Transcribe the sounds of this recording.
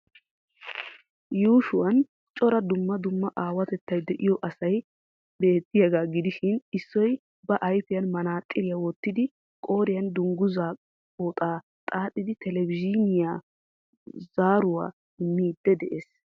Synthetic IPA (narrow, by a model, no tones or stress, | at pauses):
juːʃʊwɐn | t͡ʃʼɔɾɐd̪ʊmːɐd̪ʊmːɐʔaːwɐt̪ɛt̪ːɐjd̪ɛʔɪjɔʔɐsɐj | be̞ːt̪ːɪjɐɡaːɡɪd̪ɪʃɪnɪsːɔj | bɐʔɐjfɪjɐnmɐnaːt̪ʼːɪɾɪjɐwɔt̪ːɪd̪ɪ | kʼo̞ːɾɪjɐnd̪ʊŋɡʊzaː | oːt̪ʼaː | t̪ʼaːt̪ʼːɪd̪ɪt̪ɛlɛbɪd͡ʒinɪja | zaːɾʊwa̰ː | ɪmːiːd̪ːɛd̪ɛʔes